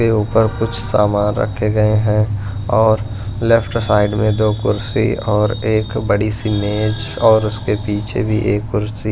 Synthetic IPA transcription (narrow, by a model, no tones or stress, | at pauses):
euːpəɾkʊt͡ʃʰsa̰ːmaːnɾɐ̰kʰːeɡɐeɦɛ̃ | ɔːɾ | lefʰʈsaːɪɖmẽd̪oːkʊɾsḭɔːɾeːkbɐɽisɪneːd͡ʒ | ɔːɾʊskepiːt͡ʃʰḛbʱiʔeːkkʊɾsi